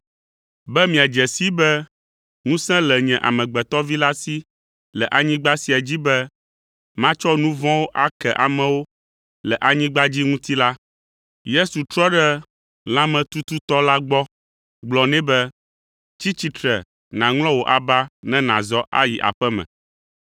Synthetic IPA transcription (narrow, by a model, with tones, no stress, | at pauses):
bɛ˦mĩ˨a˨d͡ʒɛ˨si˦bɛ˦ | ŋũ˦sɛ̃˦lɛ˨ɲɛ̃˨ʔa̰˨mɛ̃˨ɡ͡bɛ˨t̪ɔ˦vi˦la˦si˦ | lɛ˨ʔa˨ɲĩ˦ɡ͡ba˦si˨a˨d͡ʑi˦bɛ˦ | mã˦t͡ʃɔ˦nũ˦vɔ̃˦wo˦ʔa˦kɛ˨ʔa˨mɛ̃˨wo˦ | lɛ˨ʔa˨ɲĩ˦ɡ͡ba˦d͡ʑi˦ŋũ˦t̪i˦la˦ | je˦su˨t̪ɾɔ˦ɖɛ˦ | l̃ã˦mɛ̃˨t̪u˦t̪u˦t̪ɔ˦la˦ɡ͡bɔ˦ | ɡ͡blɔ˨nɛ̃˦bɛ˦ | t͡ɕi˦t͡ɕi˨t̪ɾɛ˨ | nã˨ŋl̃ɔ̃˦wo˨ʔa˨ba˦nɛ̃˦nã˨zɔ˦ʔa̰˦ji˨ʔa̰˨ɸɛ˦mɛ̰̃˨